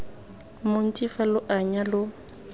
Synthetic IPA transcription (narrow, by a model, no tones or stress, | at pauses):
mʊn̩t͡ʃʼifalʊʔaɲalʊ